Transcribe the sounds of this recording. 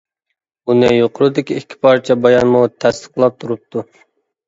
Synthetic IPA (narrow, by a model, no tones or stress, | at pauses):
unɪjoqʰʊɾud̪ɪkʲiɪkʲʰːi̥pʰɑɾt͡ʃʰɛbɑjɑnmut̪ʰɛst̪ʰə̥qlˠɑp̚t̪ʰuɾup̚t̪ʰu